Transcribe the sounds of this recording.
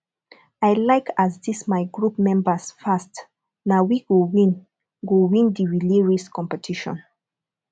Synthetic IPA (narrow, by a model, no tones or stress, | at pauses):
ajlaɪkʰazdismajɡɹupmɛ̃mbəsfast | nawiɡowĩn | ɡowĩndiɹileɹiskʰɔ̃mpɛtʰiʃɔ̰̃n